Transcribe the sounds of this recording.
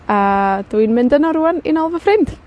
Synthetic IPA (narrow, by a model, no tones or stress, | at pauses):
adwijnmɪndənɔɾuːanḭnɔlˠvəfrɪnd̥